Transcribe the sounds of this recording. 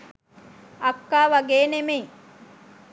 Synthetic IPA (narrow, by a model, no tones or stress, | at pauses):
akːaːʋaɡeːnemeŋ